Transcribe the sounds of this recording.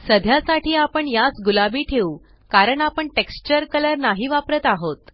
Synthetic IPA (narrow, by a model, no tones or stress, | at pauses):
səd̪ʱjasaʈʰiːapəɳjat͡sɡulabiːʈʰeu | kaɾəɳapəɳʈekst͡ɕəɾkələɾnaɦiːʋapɾət̪aɦot̪